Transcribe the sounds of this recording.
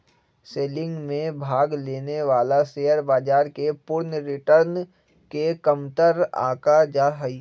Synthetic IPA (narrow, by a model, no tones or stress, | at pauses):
seːlɪ̃ŋɡmẽbʱaːɡleːneʋaːlaseːəɾbaːd͡ʒaːɾkepʊɾnɾɪʈəɾn | kekəmt̪əɾa̰ːkad͡ʒaːɦəi